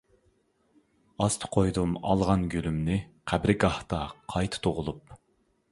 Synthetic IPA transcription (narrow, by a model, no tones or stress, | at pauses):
ɑst̪ʰɨ̥qʰojd̪umɑ̰lˠʁɑnɡʲølymnɪqʰæbɾɡɑht̪ɑqʰɑjt̪ʰɨ̥t̪ʰoʁʊlˠup